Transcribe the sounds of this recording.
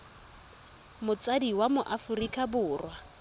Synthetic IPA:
mʊt͡sʼadiwamʊʔafurikʼabʊːrwa

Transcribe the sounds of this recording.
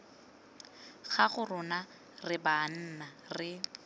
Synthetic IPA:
χaχʊrʊna | rɪban̩ːna | rɪ

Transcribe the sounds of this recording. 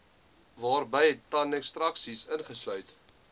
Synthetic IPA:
vɑːrbəjɦɛtːɐnɛkstrɐksisənχəslœɥt

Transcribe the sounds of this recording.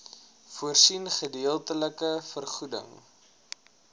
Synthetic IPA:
fuərsinχədiəlˠtələkəfərχudə̰ŋ

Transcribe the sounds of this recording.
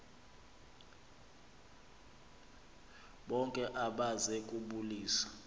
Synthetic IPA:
ɓɔŋkʼɛʔaɓazɛkʼuɓuliːsḁ

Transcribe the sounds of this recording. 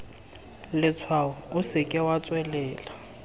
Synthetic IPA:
lɪt͡sʰwaʊʊsɪkʼɪwat͡sʼwɛlɛːla

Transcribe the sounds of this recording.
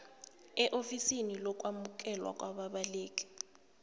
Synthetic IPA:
ɛʔofisinilɔkʼwamuk̬ɛlwa̰k̬ʼwaɓaɓaleːk̬ʼi̥

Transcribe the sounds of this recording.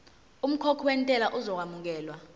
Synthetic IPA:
um̩kʰɔkʰɔwentʼɛlaʔuzɔk̬wamuk̬ɛːlwa

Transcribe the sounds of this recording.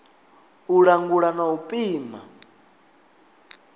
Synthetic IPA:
uɺaŋɡuɺanaupʼiːma̰

